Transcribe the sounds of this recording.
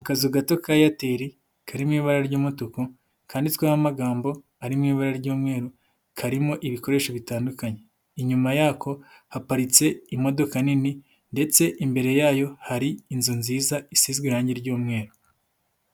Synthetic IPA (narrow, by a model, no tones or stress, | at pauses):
akazuɡato̞kajate̞ːɾi | kʰaɾimŋiːβaɾaɾɟuːmotoko | kʰaːnditwaːβamaɡaːmbo̞ | aɾimŋiːβaɾaɾɟuːmŋe̞ːɾu | kʰaɾimo̞ʔiβiko̞ɾe̞ːʃoβitaːndukaɲe̞ | iɲumajaːkʰo̞hapaɾit͡se̞imo̞do̞kanini | nde̞t͡se̞ʔimbe̞ɾe̞jaːjo̞haɾiinzunziːzaisiːzɡwiɾhaːɲɟiɾɟuːmŋe̞ːɾu